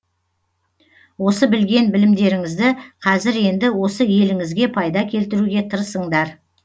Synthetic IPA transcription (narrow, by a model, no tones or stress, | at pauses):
wo̞səbɪlɡʲe̞nbɪlɪmd̪e̞ɾɪŋɪzd̪ɪqʰɑzɪɾe̞nd̪ɪwo̞səje̞lɪŋɪzɡʲe̞pʰɑjd̪ɑkʲʰe̞lt̪ɪɾuɡʲe̞t̪ʰəɾəsəɴd̪ɑɾ